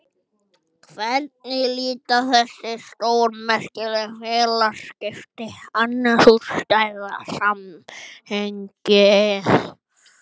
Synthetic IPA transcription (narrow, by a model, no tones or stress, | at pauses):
kʰvɛɾt̪̚nɪliːt̪aθɛsːɪst̪owɾmɛskɪlɛrɛlaskɪft̪ɪanːasust̪ajða̰samhɛŋkɪ